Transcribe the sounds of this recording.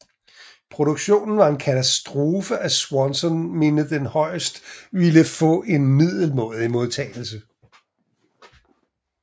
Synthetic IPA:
pʰʁo̝ɾ̥oɡ̥ɕo̝̰ːnn̩ʋɑ̈e̝nkʰæt͡sʰæsd̥ʁo̝ːfəæswɒnsɒ̽nme̝nəd̥enhɒ̽ɪ̰sd̥ʋiləfɔ̰̽ːe̝nmið̰ˠl̩mɔ̰̽ð̩ˠimo̝ð̞ˠt͡sʰɛ̰ːɪl̩sə

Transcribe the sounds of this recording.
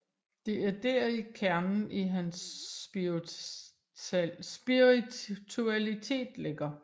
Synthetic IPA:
d̥e̝æɐd̥e̝̰ːɐikʰæɐnn̩ʔiɦæns | b̥iʁit͡sʰuælit͡sʰe̝̰ːd̥leɡ̥ɐ

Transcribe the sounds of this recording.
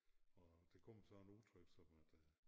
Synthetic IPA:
ɒ̽d̥ekʰɔm̰sɒnut͡sʰʁyb̥sɒ̽mæd̥

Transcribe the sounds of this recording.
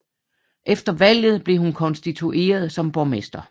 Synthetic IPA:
ʔefd̥ɐʋæl̰jð̞̩ˠb̥le̝hunkʰɒ̽nsd̥it͡sʰuʔe̝̰ːɐð̞ˠsɒ̽mb̥ɒmesd̥ɐ

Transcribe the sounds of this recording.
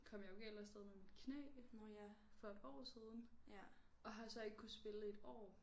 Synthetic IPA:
kʰɒ̽m̰jɑ̈joe̝ɡelɐsd̥eð̞ˠmeminkʰnḛː | fɒ̽edɒ̰ːsiːð̞ˠn̩ | ɒ̽ɦɑ̈sɒ̽e̝ɡ̥əkʰusb̥e̝ləe̝d̥ɒ̰ː

